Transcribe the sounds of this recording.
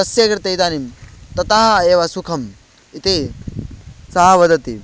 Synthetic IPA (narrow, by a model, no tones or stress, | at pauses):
ɐsjekɾt̪ɐjt̪aːnimt̪ɐt̪aɦaeːʋasukʰɐm | it̪e | sɐɦaʋɐd̪ɐt̪ḭ